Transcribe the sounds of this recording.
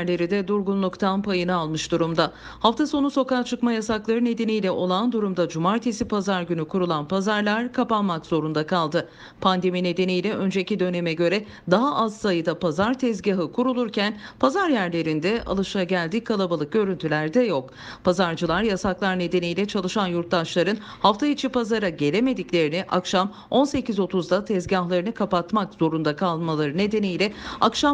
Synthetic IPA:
ɾlʲe̞ɾid̪ɛd̪uɾɡunlˠukt̪ʰanpʰajɯnɯalˠmɯʃd̪uɾumd̪a | haft̪ʰaso̞nuso̞kaːt͡ʃʰɯkmajasaklˠaɾɯne̞d̪e̞nijlʲɛʔo̞lˠand̪uɾumd̪ad͡ʒumaɾt̪ʰesipazaɾɟynykʰuɾulˠanpazaɾlˠaɾkʰapanmakz̥o̞ɾund̪akʰalˠd̪ɯ | pʰand̪e̞mine̞d̪e̞nijlʲɛʔø̞nd͡ʒecid̪ø̞nemɛɟø̞ɾɛ | d̪aɦaʔazsajɯd̪apʰazaɾt̪ʰɛzɟaɦɯkʰuɾulˠuɾcʰænpʰazaɾjæɾlʲe̞ɾind̪ɛa̰lˠɯʃaɟælʲd̪iːkʰalˠabalˠɯk̚ɟ̥ø̞ɾynt̪ʰylʲæɾd̪ɛjo̞k | pʰazaɾd͡ʒɯlˠaɾjasaklˠaɾne̞d̪e̞nijlʲɛt͡ʃʰalˠɯʃanjuɾt̪̚d̪aʃlˠaɾɯn | haft̪ʰait͡ʃʰipazaɾaɟe̞lʲeme̞d̪iclʲe̞ɾiniʔa̰kʃam | o̞nse̞cizo̞t̪ʰuzd̪at̪ʰɛzɟahlˠaɾɯnɯkʰapat̪makz̥o̞ɾund̪akʰalˠmalˠaɾɯne̞d̪e̞nijlʲɛakʃa

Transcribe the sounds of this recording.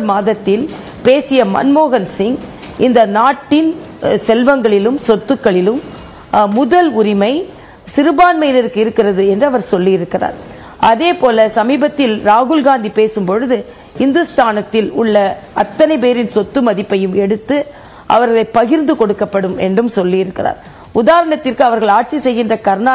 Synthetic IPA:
maːðɐt̪ːɪl | peːsɪjɐmɐ̰nmoːɣɐnsɪŋ | ʔɪnd̪ɐnaːʈːɪn | sɛlʋɐŋɡɐɭɪlɯmsɔt̪ːɯkːɐɭɪlɯmː | ʊðɐlʊɾɪmɐɪ | sɪɾɯbaːnmɐjnɪɾɯkɯɪɾɯkːɪrɐðɯɛndrɯɐʋɐɾsɔlːɪjɪɾɯkːɪra̰ːɾ | ʔɐðeːpoːlɐsɐmiːbɐt̪ːɪlɾaːɣʊlɡaːnd̪ipeːsɯmpɔɻɯðɯ | hɪnd̪ɯst̪aːnɐt̪ːɪlʊɭːɐɐt̪ːɐnɐɪpeːɾɪnsɔt̪ːɯmɐðɪpːɐjɯmɛɽɯt̪ːɯ | ʔɐ̰ʋɐɾɣɐɭɐɪpːɐɣɪɾnd̪ɯkɔɽɯkːɐpːɐɽɯmɛ̰ndrɯmsɔlːijɪɾɯkːɪra̰ːɾ | ʊðaːɾɐɳɐt̪ːɪrkɯɐʋɐɾɣɐɭaːʈ̚t͡ʃisɛjɣɪndrɐkɐɾnaː

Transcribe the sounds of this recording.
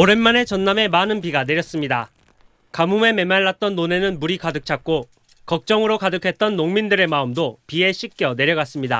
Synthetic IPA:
oɾe̞nmane̞t͡ɕʌnːame̞manɯnpiɡane̞ɾjʌs͈ɯmɲida | kamume̞me̞mːaɭːat̚t͈ʌnːone̞nɯnmuɾikadɯk̚t͡ɕʰak̚k͈o | kʌk̚t͡ɕ͈ʌŋɯɾokadɯkʰe̞t̚t͈ʌnːoŋmindɯɾe̞maɯmdopie̞ɕʰik̚k͈jʌne̞ɾjʌɡas͈ɯmɲida̰

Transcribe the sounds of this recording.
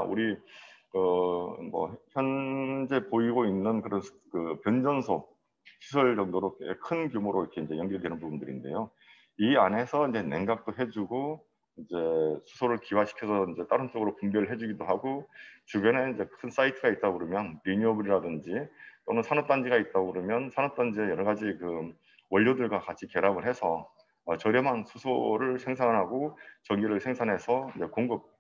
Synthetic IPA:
ṵɾikɯmʌ̰çjʌnd͡ʑe̞poiɡoinːɯnkɯɾʌn | kɯpjʌnd͡ʑʌnsʰo | ɕʰis̬ʰʌɭd͡ʑʌŋdoɾoḛkʰɯnkjomoɾoikʰe̞ind͡ʑe̞jʌŋɡiɾɯɭdwe̞nɯnpubundɯɾḭnde̞̰jo | iane̞sʰʌind͡ʑe̞ne̞̰ŋɡak̚t͈oɦe̞d͡ʑuɡo | ind͡ʑe̞sʰu̥sʰoɾɯɭkiwaɕʰi̥kʰjʌsʰʌind͡ʑe̞t͈aɾɯnt͡ɕ͈ʌɡɯɾopumbeɾɯɭɦe̞d͡ʑuɡidoɦaɡot͡ɕubjʌneind͡ʑe̞kʰɯns͈aitʰɯɡait̚t͈aɡɯɾomjʌnɾiɲʌbɯɾiɾadɯnd͡ʑit͈onɯnsʰanʌp̚t͈and͡ʑiɡait̚t͈aɡɯɾomjʌnsʰanʌp̚t͈and͡ʑiejʌɾʌɣad͡ʑikɯ | wʌʎːodɯɭɡwakat͡ɕʰike̞ɾamɯɭɦesʰʌː | t͡ɕʌɾjʌmansʰusʰoɾɯɭsʰe̞ŋsʰaŋnɦaɡot͡ɕʌŋɡiɾɯɭsʰe̞ŋsʰaŋɦe̞sʰʌind͡ʑe̞koŋɡɯp̚

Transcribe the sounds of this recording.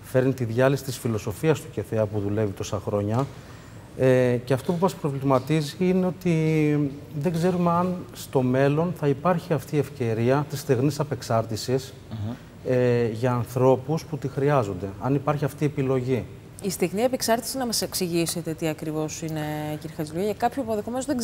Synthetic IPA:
fe̞ɾnit̪iðʝɐlisi̥t̪isfilo̞so̞fiɐst̪u̥ce̞θeɐpuðule̞vit̪o̞sɐxɾo̞ɲɐ | eceɐft̪o̞pumɐspɾo̞vlimɐt̪iziineo̞t̪i | ðe̞ɡze̞ɾumeɐnst̪o̞me̞lo̞nθɐipɐɾçiɐft̪ie̞fce̞ɾiɐt̪ist̪iɣnisɐpe̞ksɐɾt̪isis | eʝɐːnθɾo̞pusput̪ixɾiɐzo̞nd̪e̞ɐnipɐɾçiɐft̪ie̞pilo̞ʝi | ist̪iɣniɐpeksɐɾt̪i̥sinɐmɐse̞ksiʝise̞t̪e̞t̪iɐkɾivo̞sine̞ciɾixɐziluɐekɐpçoɐpoðe̞xo̞me̞nozðe

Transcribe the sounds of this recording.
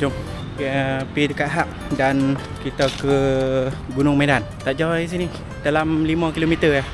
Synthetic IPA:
tom | pidəkaʔ̪ɦap̚dan | kit̪akə | ɡunʊŋmedant̪aʔd͡ʒawais̬ini | dalamlimə̃kilomit̪əjah

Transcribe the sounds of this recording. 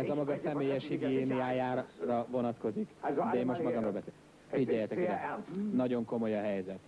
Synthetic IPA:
ɛzɒmɒɡɒsɛmeːjɛʃhiɡieːnijaːjaːrɒvo̞nɒt̪ko̞zikd̪ɛeːmo̞ʃt̪mɒɡɒmɾolbɛse | iɟɛjɛt̪ɛkid̪ɛnɒɟo̞ŋko̞mo̞jɒɦɛjzɛt̪

